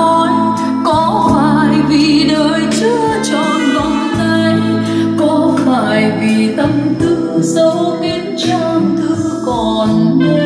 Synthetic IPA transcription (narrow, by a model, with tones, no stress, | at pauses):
ɔ˧n | kɔ˨˦faː˧˨˩jvi˨˩ɗəː˨˩jt͡ɕɨ˧˦ | t͡ɕɔ˧˩nvə˧˨ŋ͡mt̪a˧n | kɔ˨˦faː˧˩jvi˨˩t̪ə˧mt̪ɨ̰˧˩əsə˧˩wʔe˧nt͡ɕa˧mt̪ʰɨ˧˥əkɔ˨˩n